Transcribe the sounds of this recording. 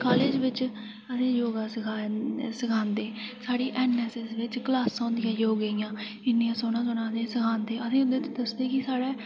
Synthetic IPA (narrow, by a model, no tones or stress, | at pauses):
kaːleːd͡ʒʋɪt͡ʃ | əsẽːjoːɡaːskʰasəkʰãːnd̪eːsaːɽiːʔɛːnːɛːsɛsʋɪt͡ʃklaːsɔ̃ːnd̪ɪjãːjoːɡəijãː | ɪnːɪjãːsoːnãːsonãːd̪ẽːsəkʰãːnd̪eːəsẽːʊd̪eːt̪ːd̪əsd̪eːkɪsaːɽɛː